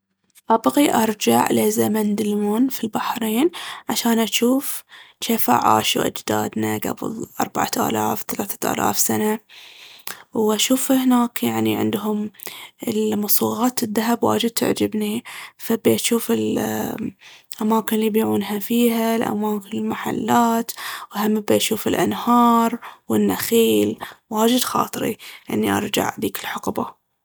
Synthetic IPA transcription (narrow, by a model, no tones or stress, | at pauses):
ʔɑbɣiʔɑɾˤd͡ʒa̰ʕlezamand̪ɪlmuːnfilbaħɾiːnʕaʃaːnʔaʃuːfʃafa̰ʕa̰ːʃṵʔa̰d͡ʒd̪a̰ːd̪naɡa̰bɨ̰ðˤʔɑ̰ɾˤbaʕat̪ʔa̰ːlaːfθalaːθḁʔa̰ːla̰ːfsana | wʔaʃuːfhnaːkjaʕniʕɪ̰nd̪ɦʊmɪlmɑsˤuːɣaːt̪ɪðːaɦabwa̰ːd͡ʒɪd̪̚t̪ɪ̰ʕd͡ʒɪbnifabiʔaʃuːfɪl | ʔamaːkɪnlːibiʕuːnɦafiːɦalʔa̰maːkɪnɪlmaħa̰lːaːt̪wʔhamːɪbiʔaʃuːfɪlʔa̰nhɑːɾˤwɪnːaxiːlwaːd͡ʒɪd̪xɑ̰ːt̪ˤɾḭʔɪ̰nːiʔɑ̰ɾˤd͡ʒa̰ʕd̪iːkɪlħʊqba̰